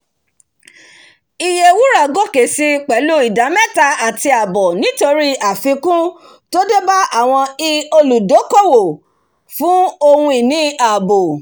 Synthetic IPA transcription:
i˧je˧wu˦ɾa˦˨ɡo˦ke˨si˧k͡pɛ˨˦lu˦i˨da˨˦mɛ̃˦˨ta˧a˨ti˧a˨bɔ˨nĩ˨˦to˧ɾi˦a˨fĩ˨˧˦kũ˦ | to˦de˦ba˦a˦˨w̃ɔ̃˧i˧o˧lu˨do˨˦ko˦˨wo˨ | fũ˨˦o˧hũ˧i˨nĩ˨˦a˨bo˨

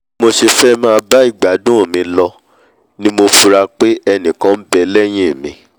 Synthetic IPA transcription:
mo˧ʃe˧fɛ˦mãː˦˧ba˦i˦˨ɡ͡ba˨˦dũ˦o˦˨mĩ˨˧lɔ˧ | nĩ˦mo˧fu˧ɾa˧k͡pe˦ɛ˧nĩ˨kã˦m̩˦bɛ˧lɛ˦j̃ĩ˦e˨mĩ˨˧

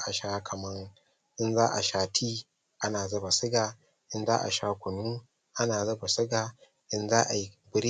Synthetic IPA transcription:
ʔa˨ʃaː˦kʰɐ˨mɐ˦ŋ | ʔɪ˦nzaː˦ʔa̰˨ʃaː˦tʰiː˦ | ʔa˦naː˨zɐ˦ba˨sɪ˦ɡa˨ | ʔɪ˦nzaː˦ʔa̰˨ʃaː˦kʷʊ˨nuː˦ | ʔa˦naː˨zɐ˦ba˨sɪ˦ɡa˨ | ʔɪ˦nzaː˦ʔa˨ji˦bʊ˦ɾi˦

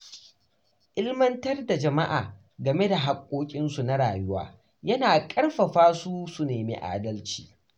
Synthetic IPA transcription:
ʔɪ˦lmɐ˦ntɐ˦rda˨d͡ʒɐ˨ma̰˦ʔa̰ː˨ | ɡɐ˨me˦da˨ɦa˨kʷʼːoː˦kʲʼɪ˦nsu˨na˦ɽaː˨jʊ˦wa̰ː˦ | jɐ˦naː˨kʼɐ˦rɸɐ˨ɸaː˦su˦su˨neː˨mḭ˦ʔa̰ː˦˨dɐ˦lt͡ʃi̥̰ː˨

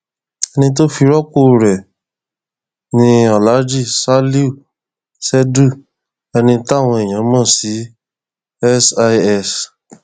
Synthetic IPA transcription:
ɛ˧nĩ˧t̬o˦fi˧ɾɔ˦ko˦˨ɾɛ˨ | nĩ˧ɔ˨la˨˦d͡ʒi˦˨sa˦li˦u˦˨ | sɛ˦du˦˨ | ɛ˧nĩ˧ta˦˨w̃ɔ̃˧ɛ˨j̃ã˨˦mɔ̃˦˨si˨˦ | ɛ˦sa˧ɛ˧s

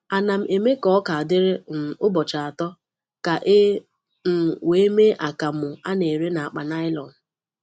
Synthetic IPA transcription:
a˨na˨m̩˨e˨me˦kɔ˦ka˨a˨dɪ˦ɾɪ˦n̩˨ʊ˦bɔ˨t͡ʃa˨a˨tɔ˦ | ka˨ʔɪ˦ | m̩˨we˨˦me˦ʔa˨ka˨mʊ˨a˦ne˨ɾe˦na˨a˨k͡pa˨na˦ɪ˦lɔ˨n̩˨

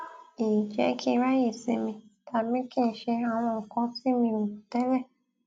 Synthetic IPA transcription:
i˨d͡ʒɛ̰˨˦kʰĩ˦˧˦ɾa˦je˦˨sĩ˧mĩ˧tʰa˨bĩ˦kĩ˦n̩˨˦ʃe˧a˨w̃ɔ̃˧ɔ˨kɔ̃˧˦si˦mĩ˧mõ˨u˨tɛ˦lɛ˦˨

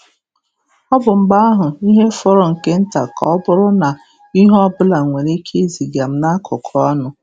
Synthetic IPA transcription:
ɔ˦bʊ˨m̩˨ɡ͡ba˦a˦ɦʊ˨i˦ɦe˦fɔ˦ɾɔ˨ŋ̩˨ke˦n̩˦ta˨ka˨ɔ˦bʊ˦ɾʊ˦na˨ | i˦ɦɔ˦bʊ˦la˨ŋʷe˨ɾe˦kʰe˦zi˨ɡa˨m̩˦na˦kʰʊ˨kʰɔ˦nʊ˦

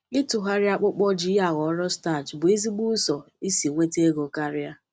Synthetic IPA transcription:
ɪ˦tʊ˨ɦa˦ɾɪ˦a˦k͡pʊ˦k͡pɔ˦d͡ʒi˦a˨ɣɔ˨˦ɾɔ˦sta˦˨d͡ʒbʊ˨i˦zi˦ɡ͡bu˦sɔ˨ | i˦si˨ŋʷe˦te˦ɡo˨ka˦ɾɪ˦a˦

